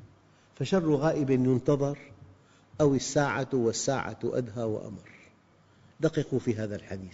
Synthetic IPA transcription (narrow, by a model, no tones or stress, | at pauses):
faʃɑrˤːuɣaːʔɪbanjʊnt̪ɑðˤɑɾˤ | ʔawɪsːaːʕawɪsːaːʕa̰ʔa̰d̪ɦawɪ̰ʔa̰mɑɾˤ | d̪aqiqufiɦaːðalħad̪iːθ